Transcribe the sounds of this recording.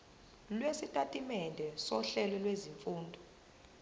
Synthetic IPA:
lwesitʼatʼimɛndʱɛsɔɬɛlɔlweziɱfuːndʱɔ

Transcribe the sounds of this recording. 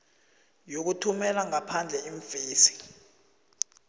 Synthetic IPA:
jok̬utʰumɛlaŋapʰand͡ɮʱɛiɱfeːsi̥

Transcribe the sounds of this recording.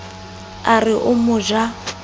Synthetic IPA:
arɪʔʊmʊʒa

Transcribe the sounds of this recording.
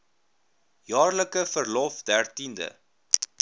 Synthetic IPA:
jɑːrləkəfərlɔfdærtində̰

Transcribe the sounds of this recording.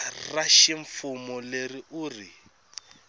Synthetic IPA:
raʃɪɱfʊmɔleriʔʊːri

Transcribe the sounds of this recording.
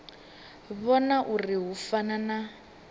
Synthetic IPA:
βɔnaʔuriɦufanana

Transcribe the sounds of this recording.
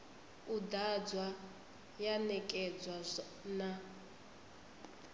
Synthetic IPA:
udad͡zwa | janɛkʼɛd͡zwazɔ | na

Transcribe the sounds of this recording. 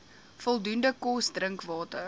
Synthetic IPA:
fɔlˠdundəkɔsdrəŋkvɑːtə

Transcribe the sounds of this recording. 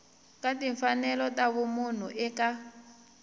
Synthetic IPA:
katiɱfanɛlɔtaβumun̤uʔɛka

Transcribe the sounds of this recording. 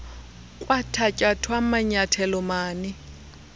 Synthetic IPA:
kʼwatʰacʼatʰwamaɲatʰɛlɔmaːnɪ

